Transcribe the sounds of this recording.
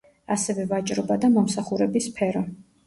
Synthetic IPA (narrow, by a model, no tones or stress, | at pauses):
asɛvɛvat͡ʃʼɾɔbad̪amɔmsaχuɾɛbispʰɛɾɔ